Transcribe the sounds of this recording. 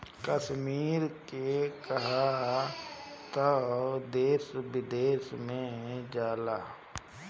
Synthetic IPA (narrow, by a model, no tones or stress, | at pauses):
kəʃmiːɾkekəɦa | t̪əd̪eːsbɪd̪eːsmẽd͡ʒaːlaː